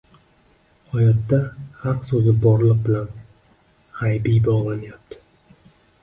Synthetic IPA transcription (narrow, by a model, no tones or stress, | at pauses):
hɒjɒt̪ːahɑqsɵzɪbɒɾlˠɨq̚bɪlan | hajbibɒʁlˠanajap̚t̪ʰɪ̥